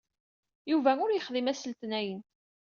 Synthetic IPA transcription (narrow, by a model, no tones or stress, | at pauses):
juvæʊɾjəχðimæsəlt̪næjən